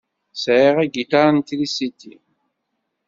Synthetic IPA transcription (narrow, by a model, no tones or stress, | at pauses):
sʕiʁæɡit̪aɾnt̪lisit̪ːi